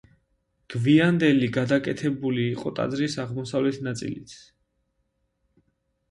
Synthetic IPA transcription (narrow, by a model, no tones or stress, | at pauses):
ɡ̥viand̪ɛliɡad̪akʼɛt̪ʰɛbuliːqʼɔt̪ʼa̰d̪zɾisaʁmɔsavlɛt̪ʰnat̪sʼḭlit̪s